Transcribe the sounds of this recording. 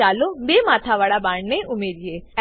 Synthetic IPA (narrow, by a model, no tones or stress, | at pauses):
alobemat̪ʰaʋaɭabaɳneʔumeɾije